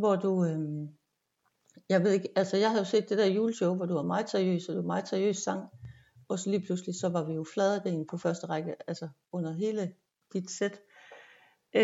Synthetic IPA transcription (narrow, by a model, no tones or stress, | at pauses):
ʋɒd̥uø | jɑ̈ɪʋe̝ðˠeɡ̥ælsəjɑ̈ɪhæðjo̝se̝̰ːd̥ːe̝d̥æɐjuːləɕɔʊʋɒd̥uʋɑ̈mɑ̈ːð̩ˠseɐiø̰ːsɒd̥uɑmɑ̈ːð̩ˠseɐijø̰ːssɑ̈ŋ̰ | ɒ̽sɒ̽liːpʰluslisɒ̽ʋɑ̈ʋijo̝flɛːð̞ˠəd̥ɛːn̩pʰɒ̽fɶɐsd̥əʁɑɡ̥əʔælsə | ɔ̽n̰ɐɦe̝ːlə | d̥id̥sed̥